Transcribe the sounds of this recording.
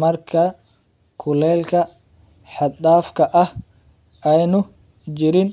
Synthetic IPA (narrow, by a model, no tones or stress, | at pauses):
mɐrkʰɐ | kʰʊlɛːlkʰɐ | ħɑd̪daːfkʰɐʔɐh | ɛjnʊ | d͡ʒɪɾɪn